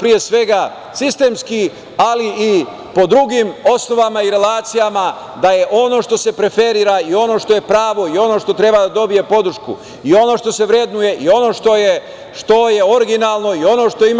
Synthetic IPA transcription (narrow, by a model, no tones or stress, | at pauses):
pɾije̞sʋe̞ɡa | sist̪e̞ːmski | alii | po̞d̪ɾuɡimo̞sno̞ʋamaiɾe̞laːt̪sijama | d̪aje̞ʔo̞no̞ʃt̪o̞se̞pɾe̞fe̞ɾiːɾaio̞no̞ːʃt̪o̞je̞pɾaːʋo̞io̞no̞ʃt̪o̞t̪ɾe̞bad̪ad̪o̞bije̞po̞d̪ɾ̩ʃkṵ | io̞no̞ʃt̪o̞se̞ʋɾe̞d̪nuje̞ʔio̞no̞ːʃt̪o̞je | ʃt̪o̞je̞o̞ɾiɡinaːlˠno̞io̞no̞ːʃt̪o̞im